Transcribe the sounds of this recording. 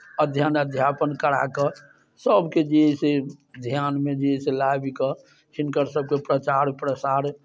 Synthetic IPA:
əd̪ʱjanəd̪ʱjapənkəɽa̰kɔ | səbʱked͡ʒeɦised̪ʱjanmed͡ʒeɦiselabikɔ | t͡ʃinkəɾsəb̚kepɾət͡ʃaɾpɾəsaɾ

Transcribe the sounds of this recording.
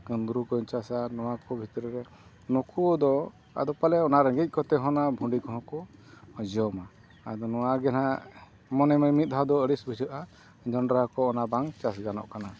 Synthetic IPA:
ɡənd̪ɾukɔɲt͡ʃasanɔwakɔbʱit̪ɔɾɛɾɛ | nɔkʰud̪ɔ | a̰d̪ɔpalɛɔnaɾə̃ŋɡic̚ˀkɔt̪ɛɦɔnabʱuɳɖikɔɦɔ̃kɔd͡ʒɔma | ad̪ɔnɔwaɡɛna | mɔnɛməmit̪̚ˀad̪ɔəɽisbʱid͡ʒəʔa | d͡ʒɔnɖɾaɦkɔːnabaŋt͡ʃasɡanɔ̰ʔkana

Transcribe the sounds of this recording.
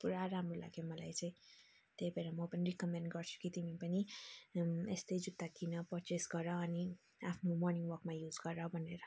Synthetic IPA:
puɾaɾaɦamɾola̰ɡjemʌlajt͡sʌ̃ĩ | t̪ebʱeɾamʌpʌniɾikʌmenɖɡʌɾt͡sʰu̥kit̪imipʌni | est̪ejd͡zut̪ːakinʌpʌɾt͡ʃesɡʌɾʌʌni | apʰnomɔrniŋɡwʌrkmajud͡zɡʌɾʌbʱʌneɾʌ

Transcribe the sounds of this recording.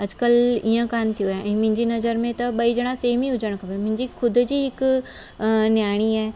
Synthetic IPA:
ɐd͡ʑkəlijə̃kaːnt̪ʰijuaeʔɛ̃ːmʊ̃ɦɪ̃ɲd͡ʑinɐzəɾmẽt̪ɐɓɐid͡ʒɐɽ̃aseːmĩʊd͡ʑəɽ̃kʰabemʊ̃ɪɲd͡ʑikʰʊd̪ʱd͡ʑiːɦɪk | njaːɽ̃iɛː

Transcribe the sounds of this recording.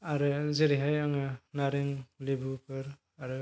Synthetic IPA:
aɾɯzeɾiɦajaŋɯnaɾeŋlebupʰɯɾ | aɾɯ

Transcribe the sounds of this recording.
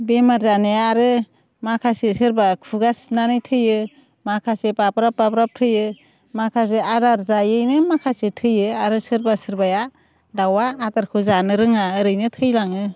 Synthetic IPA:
bemaɾzaneaɾɯ | makʰasesɯɾbakʰuɡasnanɯjtʰɯjɯ | makʰasepapɾapːapɾap̚tʰɯjɯ | makʰas̬eadaɾzajɯjnɯmakʰasetʰɯjɯaɾɯsɯɾbasɯɾbaja | dawaːtaɾkʰɯzanɯɾɯŋaɯɾɯjnɯtʰɯjlaŋɯ

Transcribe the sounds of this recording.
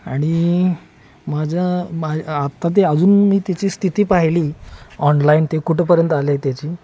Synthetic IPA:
aɽ̃i | mad͡ʑʱjamaat̪ːat̪̬eəd͡zuːnmiːt̪at͡ɕiːst̪ʰit̪iːpaɦliːɔnlaint̪ekuʈʰepəɾjənt̪alet̪jat͡ɕiː

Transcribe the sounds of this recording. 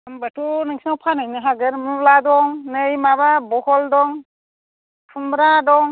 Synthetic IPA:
ambətʰunɯŋsawpʰanajnɯɦaɡɯɾmuladɔŋnɯjmababɔhɔldɔŋ | pʰumɾadɔŋ

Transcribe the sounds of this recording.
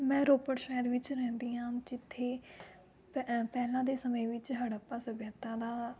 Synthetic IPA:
mɛ̃ːɾoːpəʈʃɛːəɾʋɪt͡ʃɾɛ̃ːnd̪iːɦãːd͡ʒɪt̪ʰːeː | ppɛːlãːd̪eːsəmẽːʋɪt͡ʃɦəɽəpːaːsəbjət̪ãːd̪aː

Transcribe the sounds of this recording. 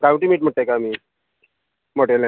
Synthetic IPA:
kaũɳʈimiːʈm̤əɽʈt̪ajkamiː | moʈela

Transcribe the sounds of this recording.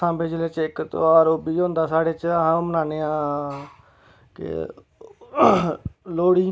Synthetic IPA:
ãːbeːd͡ʒəleːt͡ʃɪkt̪oːaːɾoːbiːõːnd̪aːsaːɽeːt͡ʃːɦãːomənaːneːãː | kɪ̰ | loːɽiː

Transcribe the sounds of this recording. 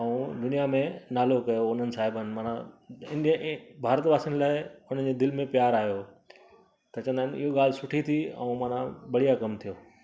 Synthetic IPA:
ɐũd̪ʊnijamẽnaːlokɐjoʊn̤ənɪ̆saːɦɪbənɪ̆maːnã̰ɪ̃ndijə̃bʱaːɾət̪baːsinlaːɪʊn̤ənd͡ʑed̪ɪlmẽpjaːɾaːɦijo | t̪ɐt͡ɕə̃ənd̪aːɪnɪɦoɡaːl̤sʊʈʰit̪ʰiɐ̰ũmãːn̤ãbɐɽijakɐmt̪ʰijoː

